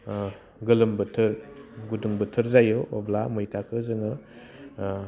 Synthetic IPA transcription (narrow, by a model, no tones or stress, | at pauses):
ɡɯlɯmbɯtʰɯɾɡuduŋbɯtʰɯɾzajoʔɔblamujtʰakʰɯzɯŋɯ